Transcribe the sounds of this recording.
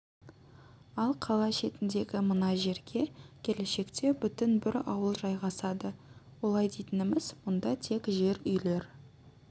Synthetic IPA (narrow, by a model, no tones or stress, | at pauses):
ɑlˠqʰɑlˠɑʃe̞t̪ɪnd̪e̞ɡʲɪmənɑʒe̞ɾɡʲe̞kʲʰe̞le̞ʃe̞kt̪e̞bʏt̪ɪnbɪɾɑ̰wəlˠʒɑjʁɑsɑd̪əwo̞lˠɑjd̪ejt̪ɪnɪmɪzmʊnd̪ɑt̪ʰe̞kʒe̞ɾʏjle̞ɾ